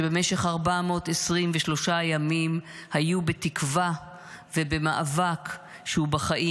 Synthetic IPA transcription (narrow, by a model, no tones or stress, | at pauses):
ebemeʃe̞χaʁbamo̞t̪esʁimveʃlo̞ʃajamimhajubet̪ikva | vebe̞maʔavak | ʃehubaχaʔi